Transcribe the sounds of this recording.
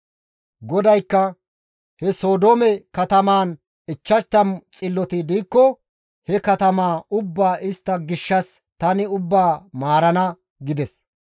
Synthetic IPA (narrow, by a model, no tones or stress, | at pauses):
ɡɔd̪ɐjkːɐ | hɛso̞ːd̪oːmɛkɐt̪ɐmaːn | ɪt͡ʃːɐʃt̪ːɐmt͡sʼɪlːɔt̪ɪd̪iːkːɔ | hɛkɐt̪ɐmaːʊbːaːʔɪst̪ːɐɡɪʃːɐs | t̪ɐnɪʊbːaːmaːɾɐnɐ | ɡɪd̪ɛs